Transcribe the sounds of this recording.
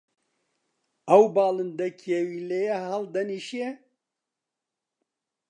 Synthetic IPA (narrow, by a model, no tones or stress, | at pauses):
ɐwbaːlɨnd̪ɛkʰjɛwilejɛhald̪ɛniʃijɛ